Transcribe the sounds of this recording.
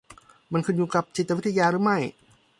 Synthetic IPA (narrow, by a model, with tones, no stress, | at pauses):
ma˧nkʰɯ˧njuː˧˩ka˨˧˩p̚t͡ɕi˨˩t̪ːa˧˦˥t̪ʰːa˧jaː˧ɾɯː˦ma˥˩j